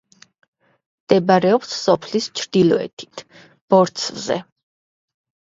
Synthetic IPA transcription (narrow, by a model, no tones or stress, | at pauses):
md̪̥ɛbaɾɛɔpssɔpʰlist͡ʃʰɾd̪ilˠɔɛ̰t̪ʰi̥t̪ʰ | b̥ɔɾt̪sʰvzɛ̰